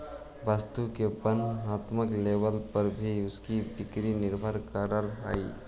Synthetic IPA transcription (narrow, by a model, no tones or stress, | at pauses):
bəst̪ukebənaːt̪məklebəlpəɾbʱiʊskibɪkɾinɪɾbʱəɾkəɾəɾɦa̰i